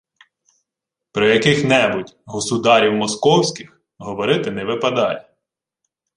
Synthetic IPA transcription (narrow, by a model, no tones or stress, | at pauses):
pɾɔjɐkɪxnɛbʊtʲɦɔsʊd̪ɑɾʲiwmɔskɔwsʲkʲɪx | ɦɔʋɔɾɪt̪ɪnɛʋɪpɐd̪ɑjɛ